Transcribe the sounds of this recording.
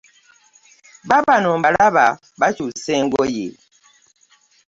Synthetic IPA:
babanɔmbalaba | bat͡ʃusɛŋɡɔjḛ

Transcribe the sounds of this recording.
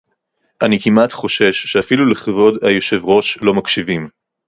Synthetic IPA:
ʔanikimatχo̞ʃe̞ʃːeafiluleχavo̞dajo̞ʃe̞vʁo̞ʃlo̞makʃivim

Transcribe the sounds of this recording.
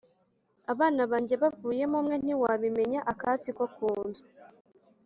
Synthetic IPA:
aβaːnaβaːɲɟe̞βavuːje̞mumŋe̞n̥iwaβime̞ɲaʔakat͡sikwokuːnza

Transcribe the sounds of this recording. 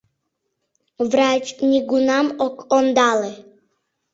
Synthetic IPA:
vɾat͡ʃnʲiɡunamɔkʼɔnd̪alɛ

